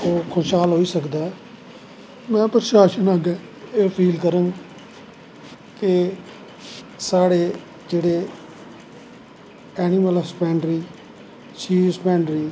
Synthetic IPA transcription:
oːkʰoʃaːlɦoːiːsəkd̪aːɛ | mɛ̃ːpɾʃaːʃənaːɡɛː | eːpʰiːlkəɾəŋɡ | ke | saːɽeː | d͡ʒeːɽeː | ɛːnɪməlspɛ̃ːɳɖɾiː | t͡ʃiːsəpɛ̃ːɳɖɾiː

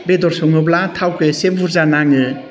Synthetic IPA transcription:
bedɔɾsɔŋɯblatʰawkɯsebbuɾzanaŋɯ

